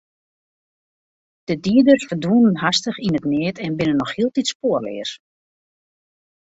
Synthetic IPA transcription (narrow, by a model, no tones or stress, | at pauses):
d̥ədiədərsfədunənɦastəxinətnɪətʰɛnbɪnənːɔxhiəlˠtitspoərlɪ̰ər